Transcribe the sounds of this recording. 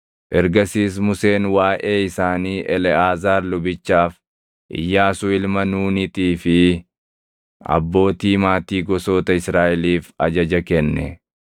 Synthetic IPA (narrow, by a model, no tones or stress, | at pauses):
ʔɛɾɡɐsiːs̬mʊse̞ːnwaːʔeːɪsaːniːʔɛlɛaːzaːɾlʊbɪt͡ʃːaːf | ʔɪ̰jːaːsʊɪlmɐnuːnɪt̪iːfɪ | ɐ̰bːo̞ːt̪iːmaːt̪iːɡɔso̞ːt̪ɐɪsɾaːʔɛliːfɐd͡ʒɐd͡ʒɐkɛnːɛ̰